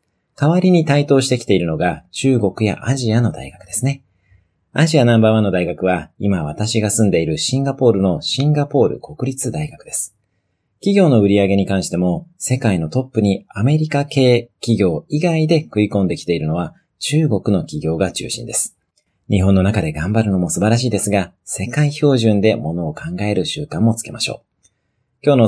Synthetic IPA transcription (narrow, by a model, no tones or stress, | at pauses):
kaβaɾʲiɲ̟it̪ait̪o̞ːɕi̥t̪e̞kʲi̥t̪e̞iɾɯ̟no̞ɡat͡ɕɨːɡo̞kɯ̟ja̰ʔaʑiano̞d̪a̰iɡakɯ̟d̪̥e̞sɨne̞ | aʑianãmbaːβãnːo̞d̪aiɡakɯ̟β̞aimaβ̞at̪aɕiɡasɨ̃nd̪e̞iɾɯ̟ɕĩŋɡapo̞ːɾɯ̟no̞ɕĩŋɡapo̞ːɾɯ̟̰ko̞kɯ̟ɾʲit͡sɨd̪aiɡakɯ̟d̪̥e̞sɨ̥ | kʲiɡʲo̞ːno̞ɯ̟ɾʲiaɡe̞ɲ̟ikãɰ̃ɕi̥t̪e̞mo̞se̞kaino̞t̪o̞pːɯ̟ɲ̟iame̞ɾʲikake̞ːkʲiɡʲo̞ːiɡaid̪e̞kɯ̟ikõ̞nd̪e̞kʲi̥t̪e̞iɾɯ̟no̞βa | t͡ɕɨːɡo̞kɯ̟no̞kʲiɡʲo̞ːɡat͡ɕɨ̰ːɕḭ̃nd̪e̞sɨ̥ | ɲ̟iɦõnːo̞nakad̪e̞ɡãmbaɾɯ̟no̞mo̞sɨbaɾaɕ̬iːd̪e̞sɨɡa | se̞kaiço̞ːʑɨ̃nd̪e̞mo̞no̞ːkʰãŋɡae̞ɾɯ̟ɕɨːkãmːo̞t͡sɨ̥ke̞maɕo̞̰ː | kʲo̞ːno̞